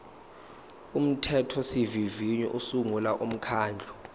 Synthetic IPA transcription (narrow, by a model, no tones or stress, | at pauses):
um̩tʰɛtʰɔsiviviɲɔ̰ʔusuŋulaʔum̩kʰaːnd͡ɮʱɔ̥